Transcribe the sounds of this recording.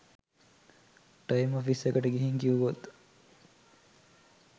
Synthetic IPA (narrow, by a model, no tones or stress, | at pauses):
ʈɐjmofisekəʈəɡeɦiŋkiuɡot̪